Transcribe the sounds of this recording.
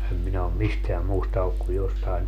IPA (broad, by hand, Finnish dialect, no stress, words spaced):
em minæ om misteæm muːstɑ olːuk ku jostɑin